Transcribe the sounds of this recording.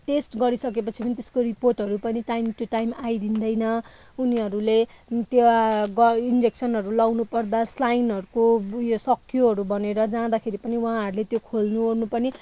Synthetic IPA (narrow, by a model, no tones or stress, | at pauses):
ʈesʈɡʌɾisʌkepʌt͡sʰipʌnit̪e̥skoriporʈɦʌɾupʌniʈajmt̪joʈajmajd̪ind̪ʌjnʌ | uniɦʌɾulet̪joɡʌind͡zeksʌnɦʌɾulʌwnupʌrd̪aslajnɦʌɾukojosʌkʰjoɦʌɾubʌneɾʌd͡zãd̪akʰeɾipʌniwɦãɦʌɾulet̪jokʰolnuɦornupʌni